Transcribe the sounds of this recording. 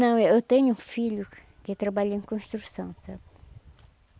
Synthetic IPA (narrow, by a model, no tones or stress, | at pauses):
nɐ̃w̃ɛewt̪ẽɲʊũfiʎʊ | kɪt̪ɾɐbaʎẽkõʃt̪ɾusɐ̰̃w̃sabɪ